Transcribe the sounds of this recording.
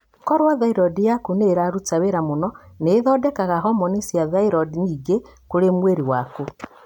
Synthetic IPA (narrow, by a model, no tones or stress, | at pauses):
kɔɾwaðaiɾɔdijakuneɾaɾutaweɾamonɔneːðɔdɛkaɣaɦɔmɔnesjaðaiɾɔdiɲiːɡe | koɾemweɾiwako